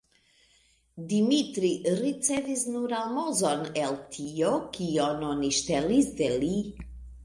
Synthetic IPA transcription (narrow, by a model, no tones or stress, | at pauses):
dimitɾiɾit͡sevisnuɾalmozoneltʰiokiononiʃtelisdeli